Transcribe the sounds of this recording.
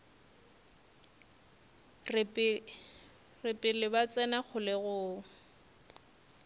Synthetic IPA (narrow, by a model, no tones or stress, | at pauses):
r | rɪpʼɪlɪbat͡sʼɛnak͡xʰʊlɪɣʊːŋ̩